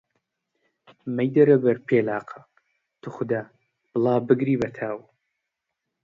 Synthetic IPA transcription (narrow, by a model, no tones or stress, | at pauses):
mɐjd̪ɐɾɐbɐɾpʰeːlaːqʰɐ | t̪ʰɨχʷʊd̪aː | b̥ɨlˠɑːbɨɡɾiːbɐt̪ʰaːw